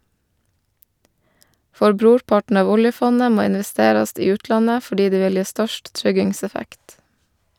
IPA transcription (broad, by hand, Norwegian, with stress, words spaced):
ˈfɔɾ ˈbɾuːɾˌpɑʈn̩ ˈɑːʋ ˈʊljəˌfɔnə ˈmoː ɪnʋɛˈsteːɾɑst ˈiː ˈʉːtlɑnə fɔˈɖiː ˈdeː ˈʋɪl ˈjeː ˈstœʃt ˈtɾʏɡɪŋˌsɛfækt